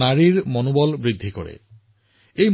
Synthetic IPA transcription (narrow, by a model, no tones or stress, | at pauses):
aɾiɾmɔnobɔlbɾid̪ʱːiko̰ɾḛ | ejm